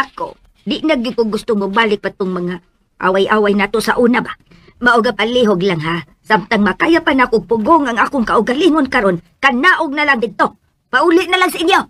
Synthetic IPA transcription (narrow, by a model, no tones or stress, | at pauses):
ako̰ | d̪ɪʔnaɡɪkʊɡʊst̪ʊŋobaːlɪk̚pat̪ʊŋmaŋa | ʔa̰wajʔaːwajnaːt̪oʔsaʔuːnaba | maʔʊɡapaliɦoɡlaŋɦa | samt̪aŋmakaːjapanakoɡ̚pʊɡoŋaŋʔaːkʊŋkaʔʊɡaliŋonkaɾon | kanaʔʊɡ̚nalaŋd̪ɪd̪̚t̪o | paʔuːlɪʔnalaŋsaʔɪnjo